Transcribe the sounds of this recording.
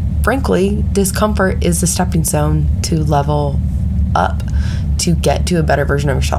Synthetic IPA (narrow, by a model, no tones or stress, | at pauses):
fɹæ̃ŋklid̥ɪskʰʌ̃ɱfə˞ɾɪzðɨstɛpɪ̃ŋzõʊ̃ntʰɨlɛvl̩ˠ | ʔʌ̰p | tʰɨɡɛ̰tʰɨːbɛɾə˞vɜ˞ʒɨ̃noʊvə˞ʃɑ̰